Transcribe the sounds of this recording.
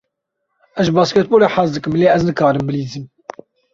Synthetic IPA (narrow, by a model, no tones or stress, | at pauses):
ɛzbɑːskɛt̪̚boːleħazd̪ɨkɨmleːɛznɨkɑːɾɨmbɨliːzɨm